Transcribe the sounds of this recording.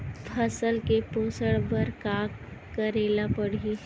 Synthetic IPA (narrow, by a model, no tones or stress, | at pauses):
pʰəsəlkepoːsəɽbəɾkakəɾeːlapəɽ̤i